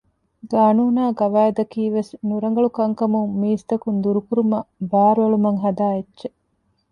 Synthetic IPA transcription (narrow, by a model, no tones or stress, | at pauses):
ɡaːnuːnaːɡɐʋaːed̪ɐkiːʋesnuɾɐŋ̆ɡɐɭukɐŋkɐmuŋmiːst̪ɐkund̪uɾukuɾumɐbæːɾʋɐɭumɐŋɦɐd̪aːetːʃe